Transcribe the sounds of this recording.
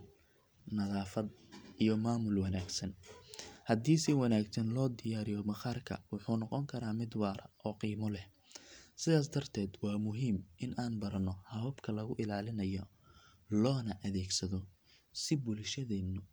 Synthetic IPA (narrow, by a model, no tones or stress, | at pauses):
nɐðaːfɐd̪̚ʔijɔmaːmʊlwɑnaːɡsɐn | hɐd̪iːsɪwɐnaːɡsɐnlɔːd̪ɪjaːɾɪjɔmɐχaːrkʰɐ̰wʊħuːnɔqɔŋkʰɐɾaːmɪd̪wɑːɾɐʔɔːqiːmɔlɛh | sɪðaːs̬d̪ɐrt̪ʰɛːd̪wɑːmʊɦiːmʔɪnʔaːnbɐɾɐnɔhɐɔbkʰɐlɐɣʊʔɪlaːlɪnɐjɔ | lɔːnɐʔɐðɛːɡsɐðɔ | sɪbʊlʃɐðɛːnʊ